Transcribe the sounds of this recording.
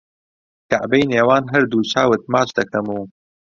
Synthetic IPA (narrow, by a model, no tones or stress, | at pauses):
kaʕbejneːwaːnɦɐɾd̪uːt͡ʃʰaːwɨt̪̚maːt͡ʃd̪ɐkʰɐmuː